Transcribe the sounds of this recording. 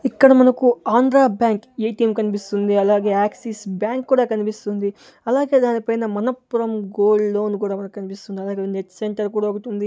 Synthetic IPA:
ikːɐɽɐmɐnɐkuaːnd̪ɾaːbjaːŋkeːʈiːmkɐnip̬ist̪und̪iɐlaːɡe̞ːaːksisbjaːŋkːuːɽaːkɐnipist̪und̪i | ɐlaːɡe̞ːd̪aːnipɐjnɐmɐnɐpːuɾɐmɡoːlːo̞ːnkuːɽaːmɐnɐkukɐnipist̪und̪iɐlaːɡe̞ːneʈse̞ɳʈɐɾkuːɽaːokɐʈund̪i

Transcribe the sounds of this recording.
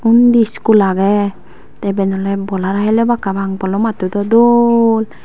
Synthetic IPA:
und̪iskulaɡɛ | t̪ɛbɛnɔlɛbɔlaɾaɦɛlɛbakabaŋpɔlɔmat̪ud̪ɔd̪ɔl

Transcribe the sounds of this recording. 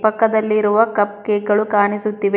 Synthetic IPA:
pɐkːɐd̪ɐlːiɾuʋɐkɐp̚keːɡɐɭukaːnisut̪ːiʋe

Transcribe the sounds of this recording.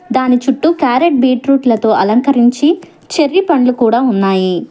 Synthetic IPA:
d̪aːnit͡ʃuʈːukaːɾeʈ̚biːʈɾuːʈlɐt̪o̞ːʔɐlɐŋkɐɾiɲt͡ʃi | t͡ʃeɾːipɐɳlukuːɽaːunːaːji

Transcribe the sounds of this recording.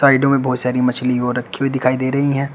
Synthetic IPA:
aːɪɖõmẽbʱɔːt̪saːɾimɐt͡ʃʰliʋoɾɐkʰːied̪ɪkʰaːid̪eːɾɐɦiɦɛ̃ː

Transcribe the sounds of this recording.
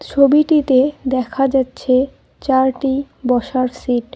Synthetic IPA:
t͡ɕʰobiʈit̪ed̪ɛkʰad͡ʑatːɕʰe | t͡ɕaɾʈi | bɔʃaɾsiʈ̚

